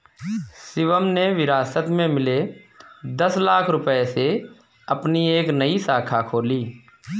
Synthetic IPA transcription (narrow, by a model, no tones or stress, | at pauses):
sɪʋəmneʋɪɾaːsət̪mẽmɪle | d̪əslaːkʰɾʊpese | əpnieːknəisaːkʰakʰoːliː